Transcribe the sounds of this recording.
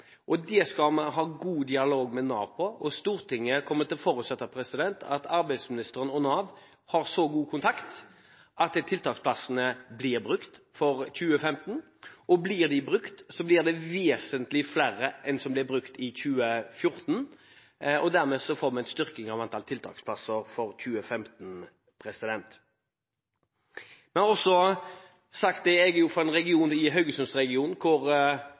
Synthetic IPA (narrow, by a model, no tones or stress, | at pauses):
ʔɔd̪ɛskɑmɑɦɑːɡuːd̪ɪɑloːɡmɛnɑ̰ːʋpʰɔʔɔst̪uːʁt̪ʰɪŋːəkʰɔmːət̪ɪlfɔːɾʉːt̪sɛt̪ːɑpʰɾɛsɪd̪ɛnt̪ʰɑt̪ɑɾbæɪsmɪnɪst̪əɾənɔnɑːʋ | hɑɾsɔɡuːkʰʊnt̪ʰɑkt̪ | ʔɑt̪t̪ʰɪlt̪ʰɑːkspʰlɑsənəblɪʁbʁʉkt̪ | fɔɾçʉːəfɛmt̪n̩ | ɔblɪʁd̪ɪbɾʉkt̪sɔblɪʁd̪ɛʋeːsənt̪lɪflæɾəʔɛnsɔmblɪbʁʉkt̪ɪçʉːəfjʊʁt̪n | ɔd̪æʁmɛːsɔfoːʁmɛɛnst̪ʏʁkɪŋɑʋɑnt̪ɑlt̪ʰɪlt̪ʰɑ̰ːkspʰlɑsəɾfɔɾçʉːəfɛmt̪n | pʰɾɛsɪd̪ɛnt̪ | mɛnɔsɔ | sɑk̚t̪̚d̪ɛɛɡjʊfɔɛnʁɛɡɪuːnɪɦœʏɡəsʉmsʁɛɡɪuːnkʰʊɾ